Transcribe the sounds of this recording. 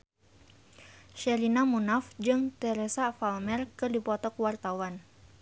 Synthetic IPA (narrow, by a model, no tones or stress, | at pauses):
ʃɛɾinamunafd͡ʒɨŋt̪ɛɾɛsafalmɛrkɨrdipɔt̪ɔkwart̪awan